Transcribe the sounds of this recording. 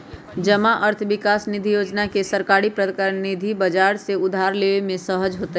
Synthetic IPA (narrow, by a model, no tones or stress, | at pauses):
d͡ʒəmaʔəɾt̪ʰəʋɪkaːsnɪd̪ʱijoːd͡ʒnakesəɾkaːɽipɾəknɪd̪ʱibɐd͡ʒaːɾseʊd̪ʱaːɾleːʋemẽsəɦəd͡ʒɦoːt̪e